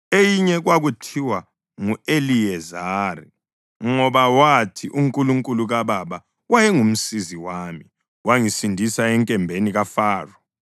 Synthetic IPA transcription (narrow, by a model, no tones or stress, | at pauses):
ejiɲɛɣwaɣutʰiwa | ŋueliɛzaːri | ŋɔβawatʰiʔuŋkʼuluŋkʼuluɣaβaβa | wajɛŋum̩siziwaːmi | waŋisindʱisaɛŋkʼɛmbʱeniɣafaːrɔ